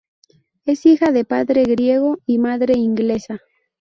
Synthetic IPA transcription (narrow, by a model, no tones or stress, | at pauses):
e̞sixaðe̞paðɾe̞ɣɾje̞ɣoimaðɾe̞iŋɡle̞sa